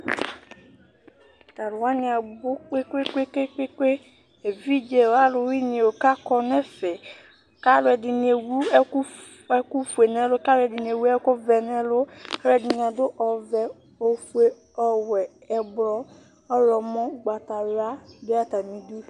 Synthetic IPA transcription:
t̪a˨ɾʊ˨wa˦nĩ˨a˨bʊ˦k͡pe˦kʷe˦ke˦ke˦ke˦ke˦ | e˨vi˦d͡ʒe˨˦wo˦a˦lʊ˨wi˦ɲ˨e˨wo˨ka˦kɔ˦nɛ˦fɛ˨ | ka˦lʊ˦ɛ˨dɪ˨ni˨e˨wu˦k | ɛ˦ku˦fu˨e˨nɛ˦lʊ˦ka˦lʊ˦ɛ˨dɪ˨n˨e˨wu˦ɛ˦kʊ˦vɛ˨nɛ˦lʊ˦ka˦ɛ˦˨dɪ˨ɲ˨ã˨dʊ˦ʔɔ˨vɛ˨ | o˨fu˦e˦ | ɔ˨wɛ˨ | ɛ˨blɔ˦ | ɔ˦lɔ˨mɔ̃˦ɡ͡ba˨t̪a˨wa˦dʊ˦a˦t̪a˨mĩ˨du˦

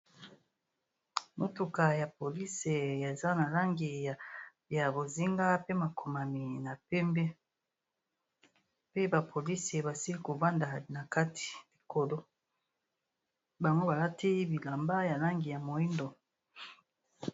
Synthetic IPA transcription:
mo˨tu˨ka˨ja˨po˨li˦se˨e˨za˦na˨la˦ŋɡi˨ | ja˨bo˨zi˦ŋɡa˦pe˦ma˨kʰo˨ma˨mi˨na˨pɛ˦mbɛ˦ | pe˦ba˨pʰo˨li˦se˨ba˨si˦li˦ko˨va˦nda˨na˨ka˦tʰi̥˨li˨ko˨lo˦ | ba˨ŋɡo˦ba˨la˦ti˦bi˨la˨mba˦ja˨la˦ŋɡi˨ja˨mo˨i˦ndo˨

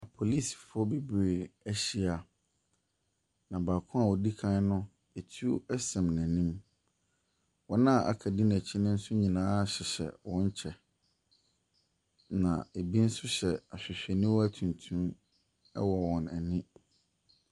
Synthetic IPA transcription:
a˨pʰo˨liː˦˨sfʊ˨˦ɔ˦be˦be˨æ˦ɕi˦a˨ | nã˨baː˨kʰʊ̃˦a˦˨wɔ˨di˦kʰã˦n˦nʊ̃˦ | e˨tʰu˦ɛ˦sɛ̃˨mnæ̃˨nĩ˦m | wɔ˦nã˦˨ʔa̰˨kʰa˨dɪ˦næ˨t͡ɕʰi˦nɪ̃˦n̩˦sʊ˦ɲĩ˨nãː˦˨ɕɪ˨ɕɛ̰˨wɔ̃˦ɲ˦t͡ɕʰɛ˨ | nã̰˨e˨bi˦n̩˦sʊ˦ɕɛ˨a˨ɕᶣɪ˨ɕᶣɛ˨nɪ̃˦wɔ˦æ˦tʰũ˨ntʰũ˦ | ɛ̰˦wɔ˨wɔ̃˨nɛ˨nɪ̃˦

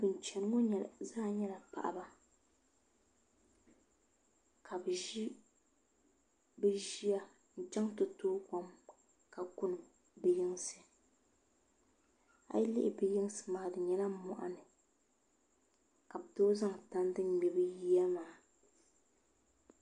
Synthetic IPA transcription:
bɨ˨n˨t͡ʃɛ˨n˦ŋo˦ɲɛ˨zaː˦ɲɛ˦la˨pa̰˨ʔa̰˨ba˦ | kʰa˨bɨ˨ʒi˦ | bɨ˦ʒi˦a˦ | n̩˨t͡ʃɛ˦ŋtʊ˨toː˦ka˨m | ka˨kʊ˦n˨ | bɪ˨jɪ˦ŋ˦sɨ˨ | a̰˦jlɪ˦ʔɪ˨bɪ˦jɪ˦ŋ˦sɨ̥˨maː˨dɨ˨ɲɛ˦la˦m̩˨mɔ̰˨ʔa̰˦nɨ˨ | ka˨bdoː˦za˦ŋta˦n˦dɨ˦n˨ɲɛ˨bɨ˦ji˦a˦maː˨

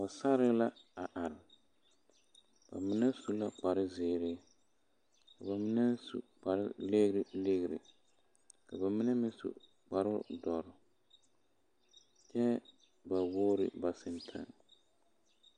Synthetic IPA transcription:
a˨sa˦ɾɪ˦la˦a˨ʔa˨ɾɪ˨ | b̥a̰˨mɪ˦nɛ˦su˦la˦k͡pa˨ɾɪ˦zɪː˨ɾɪ˦ | ka˨ba˨mɪ˦nɛ˦n˦sṵ˨k͡pa˨ɾɪ̰˦le˦ɣɾɪ˨le˦ɣɾɪ̰˨ | ka˨ba˨mɪ˦nɛ˦mɪ̃˦n˦sṵ˨ | k͡pa˨ɾʊ˦dɔ˨ɾɪ˨ | t͡ʃɛ˦ | ba˨woː˦ɾɪ̰˨ba˨sɪ˨ntʰa̰˦ŋ

